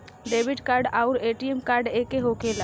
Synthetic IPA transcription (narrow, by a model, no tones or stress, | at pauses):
ɖeːʋɪɖkaːɾɖaʊɾeːʈijemkaːɾɖeːkeɦokeːla